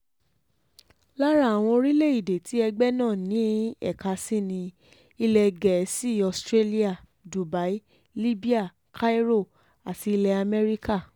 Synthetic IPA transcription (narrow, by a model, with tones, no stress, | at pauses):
la˦ɾa˦˨a˨w̃ɔ̃˧ɾi˦le˦i˦˨de˨tʰi˨˦ɛ˧ɡ͡bɛ˦nãː˦˨nĩ˨˦ɛ̰˦˨ka˧sĩ˦nĩ˧ | i˧lɛ˧ɡɛ˨˦si˦˨ɔ˨stɾe˦li˦a˦˨ | du˨ba˨˦i˦ | li˦bi˦a˦˨ | kʰa˦i˦ɾo˦˨ | a˨ti˧lɛ˧a˧mɛ˦ɾi˦ka˦˨